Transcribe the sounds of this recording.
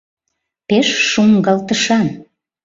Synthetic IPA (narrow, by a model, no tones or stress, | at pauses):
peʃʃuŋɡɑlt̪əʃɑn